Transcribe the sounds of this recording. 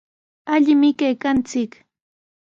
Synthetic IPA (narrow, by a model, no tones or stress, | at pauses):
aʎɪmɪkajkant͡sɪk